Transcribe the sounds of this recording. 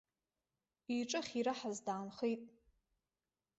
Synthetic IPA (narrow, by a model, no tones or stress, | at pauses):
iʈ͡ʂʼɨχʲiɾaħazdaːnχejtʼ